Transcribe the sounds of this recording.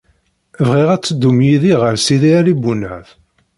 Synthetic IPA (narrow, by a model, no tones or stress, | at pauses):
vʁiʁæt͡sːəd̪ːumjiðiʁəɾsiðiælibunæθ